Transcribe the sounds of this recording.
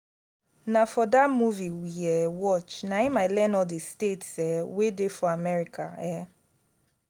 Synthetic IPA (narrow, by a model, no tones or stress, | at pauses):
nafɔdamuviwiɛwɔt͡ʃnaimaɪlɛ̃nɔdestetsɛwedefɔamɛɹikʰa̰ɛ